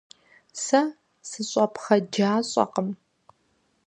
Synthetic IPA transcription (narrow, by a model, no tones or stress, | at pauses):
sɐ | sɨɕʼɐpχɐd͡ʒaːɕʼɐ̰qəm